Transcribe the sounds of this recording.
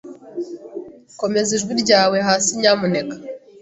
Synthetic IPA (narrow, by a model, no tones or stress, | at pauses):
ko̞me̞ziʒɡwiɾɟaːwe̞ɦaːsiɲaːmune̞kḁ